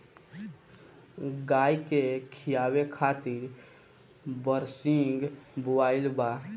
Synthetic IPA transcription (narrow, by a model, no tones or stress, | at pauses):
ɡaːikekʰɪjaːwekʰaːt̪ɪɾ | bəɾsɪŋɡbowaːɪlba